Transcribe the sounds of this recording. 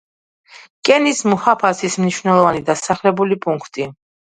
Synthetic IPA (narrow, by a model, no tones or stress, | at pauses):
kʼɛnismuhapʰasismniʃwnɛlˠɔvanid̪asaχlɛbulipʼuŋkʰt̪ʼi